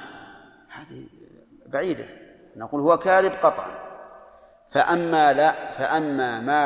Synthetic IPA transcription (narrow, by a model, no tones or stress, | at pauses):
haːðḭ | baʕiːd̪a̰ | naquːlhʊwakaːɾɪbqɑt̪ˤʕɑ̰n | faʔamːalafaʔamːaːmaː